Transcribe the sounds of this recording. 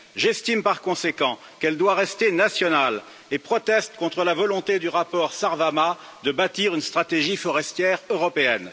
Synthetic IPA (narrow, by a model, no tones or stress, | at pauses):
ʒɛst̪impaʁkɔ̃sekɑ̃ | kɛld̪waʁɛst̪enasjɔnal | epχɔt̪ɛst̪kɔ̃t̪χəlavɔlɔ̃t̪ed̪yʁapɔʁsaʁvama | d̪əbat̪iʁynst̪χat̪eʒifɔʁɛst̪jɛʁøʁɔpeɛn